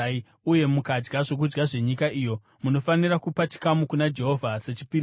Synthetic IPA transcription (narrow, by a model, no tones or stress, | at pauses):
uje̞mukad͡ʒɡaʐo̞k̬ud͡ʒɡaʐe̞ɲikaʔijo̞ | muno̞fanirakupat͡ʃi̥kamukunad͡ʒe̞ɦo̞vʱase̞t͡ʃipi